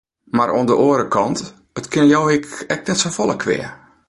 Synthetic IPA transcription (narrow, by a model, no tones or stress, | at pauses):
maɾʔoəndəʔoːəɾəkʰɔnt | ətkʰɪnjowɪkɛk̚nɛtsofolˠəkʰʋɪ̰ə